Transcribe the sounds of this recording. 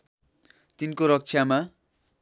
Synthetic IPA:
t̪inkoɾʌk̚t͡sʰjama

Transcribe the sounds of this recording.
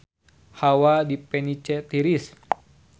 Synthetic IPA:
hawadipɛnit͡ʃɛt̪iɾis

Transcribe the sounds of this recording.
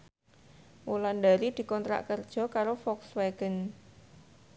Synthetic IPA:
wuland̪aɾid̪̥i̤kɔnt̪ɾa̰ʔkərd̥ʒ̥ɔ̤kaɾofɔksweɡ̥ən

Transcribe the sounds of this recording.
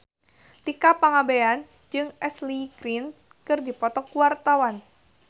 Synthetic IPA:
t̪ikapaŋabean | d͡ʒɨŋɛsliɡɾin | kɨrdipɔt̪ɔkuwart̪awan

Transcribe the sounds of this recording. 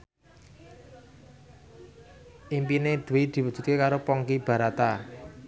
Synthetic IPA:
ʔimpined̪̥uwid̪̥i̤wə̥ʒ̥ṳt̪̚kekaɾopɔŋkib̥a̤ɾat̪a

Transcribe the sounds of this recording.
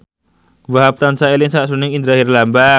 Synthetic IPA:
vaɦap̚t̪ansaelɪŋsaʔsunɪŋind̪ɾahirlamba

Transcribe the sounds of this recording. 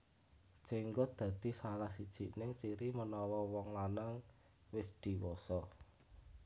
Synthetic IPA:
t͡ʃeŋɡʊd̪̥ä̤d̪̥i̤salahsid̥ʒ̥i̤ʔnɪŋt͡ʃiɾimənɔwɔwɔŋlanaŋ | wɪsd̪̥i̤wɔsɔ

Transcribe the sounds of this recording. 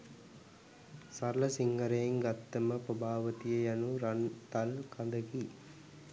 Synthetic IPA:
sɐɾlɐsiŋɡɐɾɐjeŋɡɐt̪ːɐməpɾobʱaːʋɐt̪ijɐjanuɾɐnt̪ɐlkɐnd̪ɐki

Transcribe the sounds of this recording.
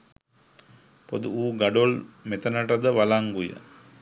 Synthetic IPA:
pod̪uuːɡaɖolmet̪ənəʈəd̪əʋalaŋɡujə̰

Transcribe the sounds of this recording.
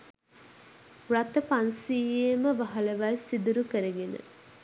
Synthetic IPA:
rat̪əpansiːjeməʋaɦɐləʋalsid̪uɾukəɾəɡenə̰

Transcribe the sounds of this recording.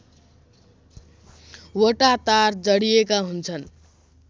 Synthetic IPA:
woʈat̪aɾd͡ʒəɽijekaɦunt͡sʰən

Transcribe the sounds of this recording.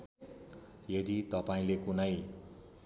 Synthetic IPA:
jʌd̪it̪ʌpaĩlekunʌj

